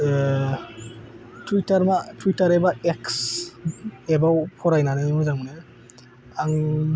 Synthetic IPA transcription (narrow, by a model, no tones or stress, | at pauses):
tʰwitaɾmatʰwitaɾebaeks | ebawpʰɔɾajnaɾɯmɔzaŋne | aŋ